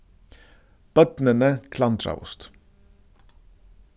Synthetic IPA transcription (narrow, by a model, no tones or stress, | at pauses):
b̥œt̪nənəkʰland̪ɾa̰ʊ̰st̪